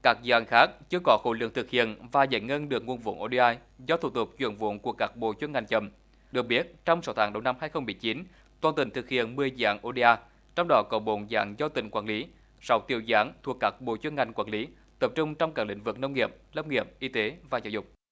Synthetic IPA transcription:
kaː˦˥k̚za̰ː˧˩ŋxaː˦˥k̚t͡ɕɨ˧əkɔ˨˦xo̰˧˩lɨ̰˧˨əŋt̪ɨ˨˩k̚hḭ˧˨ənvaː˨˩za̰˧˩˦jŋə˧nɗɨ˨˩ək̚ŋu˧ənvṵ˧˨nʔo˧˩ɗi˧ʔaː˧j | zɔ˧t̪ʰu˧˩t̪ʊ˨˩k͡p̚t͡ɕwḭ˧˨ənvṵ˧˨nku˧˩əkaː˦˥k̚ɓo̰˧˨t͡ɕwə˧nŋa˨˩jŋ̟t͡ɕə˧˩m | ɗɨ˨˩ək̚ɓi˦˥ət̚t͡ɕɔ˧wŋ͡msa˨˦wt̪ʰaː˨˦ŋɗə˧˩wna˧mhaː˧jxə˧wŋ͡mmɨ˨˩əjt͡ɕi˨˦n | t̪waː˨˩nt̪ï˧˩ŋ̟t̪ʰɨ˨˩k̚hḭ˧˨ənmɨ˨˩əjza̰ː˧˥ŋʔo˧ɗi˧aː˧ | t͡ɕɔ˧wŋ͡mɗɔ˨˦kɔ˨˦ɓo̰˧˨nza̰ː˧˨˦ŋzɔ˧t̪ï˧˨˩ŋ̟kwaː˧˩nli˨˦ | sa˨˦wt̪i˧˨˩əwzaː˨˦ŋt̪ʰu˨˩əkːaː˦˥k̚ɓo̰˧˨t͡ɕwə˧nŋa˨˩jŋ̟kwaː˧˩nli˨˦ | t̪ə˨˩p̚t͡ɕʊ˧ŋ͡mt͡ɕɔ˧wŋ͡mkaː˦˥klï˧˦ŋ̟vɨ˨˩k̚nə˧wŋ͡mŋi˨˩əp̚lə˧wŋ͡mŋi˨˩əp̚ʔi˧t̪e˨˦vaː˨˩zaː˨˧˩zʊ̰˨˩k͡p̚

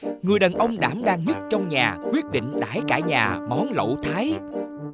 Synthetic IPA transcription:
ŋɨ˨˩əjɗə˨˩nʔə˧wŋ͡mɗa̰ː˧˩mɗaː˧ŋɲə˦˥t̚t͡ɕɔ˧wŋ͡mɲaː˨˩kwi˦˥ət̚ɗḭ̈˧˨ŋ̟ɗaː˧˩jkaː˧˩ɲaː˨˩mɔ˨˦nlo̰˧˨t̪ʰaː˨˦j

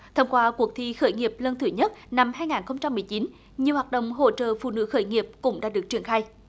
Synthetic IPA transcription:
t̪ʰə˧ŋ͡mkwaː˧ku˨˩ək̚t̪ʰi˧xəː˧˩jŋi˨˩əp̚lə˧nt̪ʰɨ˧˩ɲə˦˥t̚na˧mhaː˧jŋaː˨˩nxə˧wŋ͡mt͡ɕa˧mːɨ˨˩əjt͡ɕi˨˦n | ɲi˨˩əwaː˨˩t̚ɗə̰˧˨wŋ͡mɦo̰˧˨t͡ɕə̰ː˧˨fṵ˧˨nɨ̰˧˥xəː˧˩jŋi˨˩əp̚kʊ̰˧˥ŋ͡mɗa̰ː˧˥ɗɨ˨˩ək̚t͡ɕi˧˩ənxaː˧j

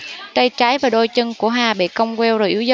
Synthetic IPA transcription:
t̪ə˧jt͡ɕa˨˦jvaː˨˩ɗo˧˩jt͡ɕə˧ŋku˧˩əɦaː˨˩ɓḭ˧˨kə˧wŋ͡mkɛ˧wzo˨˩jʔi˧˦əwz

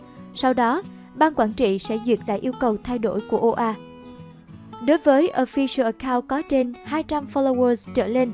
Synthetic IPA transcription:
sa˧wɗɔ˨˦ | ɓaː˧nkwaː˧˩nt͡ɕḭ˧˨sɛ̰˧˥zwi˨˩ət̚la̰ː˧˨ʔi˧əwkə˨˩wt̪ʰa˧jɗo̰˧˩jku˧˩əʔo˧ʔaː˧ | ɗo˨˦jvəː˨˦jʔo˧˩fi˧sə˧ʔə˨˩kaː˧wkɔ˨˦t͡ɕe˧nhaː˧jt͡ɕa˧mfɔ˧lo˧wəː˧zt͡ɕə̰ː˧˩le˧n

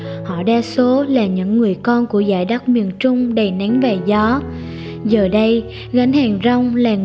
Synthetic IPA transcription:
hɔ̰˧˨ɗaː˧so˨˦laː˨˩ɲɨ̰˧˥ŋːɨ˨˩əjkɔ˧nku˧˩əzaː˧˩jɗa˦˥k͡p̚mi˨˩ənt͡ɕʊ˧ŋ͡mɗə˨˩jna˨˦ŋvaː˨˩zɔ˨˦ | zəː˨˩ɗə˧j | ɣa˨˦nhaː˨˩ŋzə˧wŋ͡mlaː˨˩ŋ

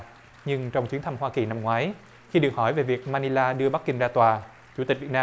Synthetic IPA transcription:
ɲɨ˧ŋt͡ɕɔ˧wŋ͡mt͡ɕwi˨˦nt̪ʰa˧mhwaː˧ki˨˩na˧mŋwaː˨˦j | xi˧ɗɨ˨˩ək̚hɔ˧˩jve˨˩vi˨˩ək̚maː˧ni˧laː˧ɗɨ˧əɓa˦˥kːï˧ŋzaː˧t̪waː˨˩ | t͡ɕu˧˥˩t̪i̟˨˩vi˨˩t̚naː˧

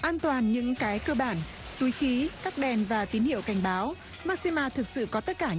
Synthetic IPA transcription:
ʔaː˧nt̪waː˨˩nɲɨ̰˧˥ŋkaː˨˦jkəː˧ɓaː˧˩n | t̪u˨˦jxi˨˦kaː˦˥k̚ɗɛ˨˩nvaː˨˩t̪i˨˦nhḭ˧˨əwka˧˩jŋ̟ɓaː˨˦w | maː˦˥k̚si˧maː˧t̪ʰɨ˨˩k̚sɨ̰˧˨kɔ˨˦t̪ə˦˥t̚kaː˧˩

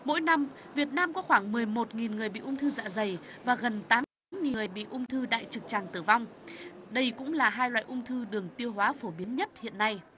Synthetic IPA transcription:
mo̰˧˥jna˧mvi˨˩ət̚naː˧mkɔ˨˦xwaː˧˩ŋmɨ˨˩əjmo˨˩t̚ŋi˨˩nŋɨ˨˩əjɓḭ˧˨ʔʊ˧ŋ͡mt̪ʰɨ˧za̰ː˧˥zə˨˩j | vaː˨˩ɣə˨˩nt̪aː˨˦mtaː˨˦mŋi˨˩əjɓḭ˧˨ʔʊ˧ŋ͡mt̪ʰɨ˧ɗa̰ː˧˨jt͡ɕɨ˨˩k̚t͡ɕaː˨˩ŋt̪ɨ˧˩va˧wŋ͡mɗə˧jkʊ̰˧˥ŋ͡mlaː˨˩ɦaː˧jlwa̰ː˧˨jʔʊ˧ŋ͡mt̪ʰɨ˧ɗɨ˨˩əŋt̪i˧əwɦwaː˨˦fo˧˩ɓi˨˦ənɲə˦˥t̚hḭ˧˨ənːa˧j

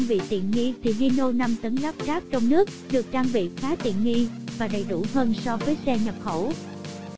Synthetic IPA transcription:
ŋvḭ˧˨t̪ḭ˧˨ənŋi˧t̪ʰi˨˩ɣi˧no˧na˧mt̪ə˨˦nla˦˥p̚zaː˦˥p̚t͡ɕɔ˧wŋ͡mnɨ˦˥ək̚ɗɨ˨˩ək̚t͡ɕaː˧ŋvḭ˧˨xaː˨˦t̪ḭ˧˨ənŋi˧vaː˨˩ɗə˨˩jɗu˧˩həː˧nsɔ˧vəː˨˦jsɛ˧ɲə˨˩p̚xə˧˩w

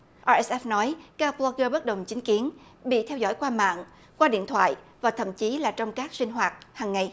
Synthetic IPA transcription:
ʔa˧ʔɛ˦˥sʔɛ˦˥fnɔ˨˦jkaː˧plɔ˧kəː˧ɓə˦˥t̚ɗə˨˩wŋ͡mt͡ɕï˨˦ŋ̟ki˨˦ənɓḭ˧˨t̪ʰɛ˧wzɔ̰˧˥˩jkwaː˧ma̰ː˧˨ŋ | kwaː˧ɗḭ˧˨ənt̪ʰwa̰ː˧˨jvaː˨˩t̪ʰə̰˧˨mt͡ɕi˨˦laː˨˩t͡ɕɔ˧wŋ͡mkaː˦˥k̚sï˧ŋ̟ɦwaː˨˩t̚haː˨˩ŋːa˨˩j

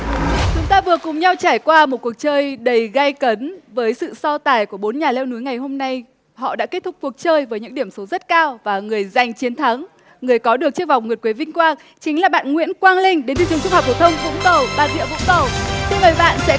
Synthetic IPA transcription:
t͡ɕʊ˨˦ŋ͡mt̪aː˧vɨ˨˩əkʊ˨˩ŋ͡mɲa˧wt͡ɕaː˧˩jkwaː˧mo˨˩t̚ku˨˩ək̚t͡ɕəː˧jɗə˨˩jɣa˧jkə˨˦nvəː˨˦jsɨ̰˧˨sɔ˧t̪aː˨˩jku˧˩əɓo˨˦nɲaː˨˩lɛ˧wnu˨˦jŋa˨˩jɦo˧mna˧j | hɔ̰˧˨ɗa̰ː˧˥ke˦˥t̚t̪ʊ˦˥k͡p̚ku˨˩ək̚t͡ɕəː˧jvəː˨˦jɲɨ̰˧˥ŋɗi˧˩əmso˨˦zə˦˥t̚kaː˧wvaː˨˩ŋɨ˨˩əjza˨˩jŋ̟t͡ɕi˨˦nt̪ʰa˨˦ŋ | ŋɨ˨˩əjkɔ˨˦ɗɨ˨˩ək̚t͡ɕɨ˦˥ək̚va˨˩wŋ͡mŋɨ˨˩ət̚kwe˨˦vï˧ŋ̟kwaː˧ŋ | t͡ɕï˨˦ŋ̟laː˨˩ɓa̰ː˧˨nŋwḭ˧˥ənkwaː˧nlï˧ŋ̟ɗe˨˦nt̪ʰɨ˨˩ŋt͡ɕ̚hp̚ko˧˩t̪ʰwŋ͡mvʊ̰˧˥ŋ͡mk̪ə˨˩wɓaː˧˩nɗḭ˧˨vʊ̰˧˥ŋ͡mk̪ə˨˩wt̪ʰvəː˨˩ɓa̰ː˧˨nsɛ̰˧˥

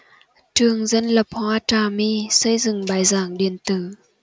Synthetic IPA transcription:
tɨ˨˩əŋzə˧˥˨nlə˨˩p̚hɔː˧˦taː˧˩miː˧˥sə˧˥jzɨ˨˩ŋɓaː˨˩jzaː˨˩˦ŋɗi˨˩ənt̪ɨ˨˩

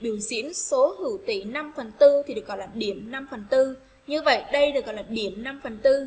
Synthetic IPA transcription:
ɓi˧˩əwzḭ˧˥ənso˨˦hɨ˧˩t̪i˧˩na˧mfə˨˩nt̪ɨ˧t̪ʰi˨˩ɗɨ˨˩ək̚ɣɔ̰˧˨jlaː˨˩ɗi˧˩əmna˧mfə˨˩nt̪ɨ˧ | ɲɨ˧və̰˧˨jɗə˧jɗɨ˨˩k̚ɔ̰˧˨laː˨˩ɗi˧˩əmna˧mfə˨˩nt̪ɨ˧

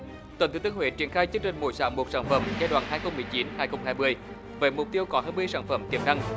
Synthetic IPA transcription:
t̪wə˨˩nt̪ɨ˨˧˦t̪ːəŋhwḛ˧˨˦t͡ɕi˧˩ənxaː˧jt͡ɕɨ˧əŋt͡ɕï˨˩ŋ̟mo̰˧˨˩jsaː˧˦wŋ͡mmo˨˩t̚saː˧˩nfə̰˧˩mzɛ˧jɗwa̰ː˧˨nhaː˧jxə˧wŋ͡mmɨ˨˩əjt͡ɕi˨˦nhaː˧˩jxə˧wŋ͡mhaː˧jmɨ˧əj | ve˨˩mʊ˨˩k͡p̚t̪i˧əwkɔ˨˦haː˧jmɨ˧əjsaː˧˩nfə˧˩mk̪ḭ˨˧˩əm̚na˧ŋ

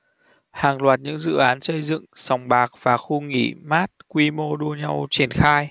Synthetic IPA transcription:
haː˨˩ŋlwaː˨˩t̚ɲɨ̰˧˥ŋzɨ̰˧˨ʔaː˨˦nsə˧jzɨ̰˧˨ŋsɔ˨˩wŋ͡mɓaː˨˩k̚v̥aː˨˩xu˧ŋḭ˧˩maː˦˥t̚kwi˧mo˧ɗu˧əɲa˧wt͡ɕi˧˩ənxaː˧j

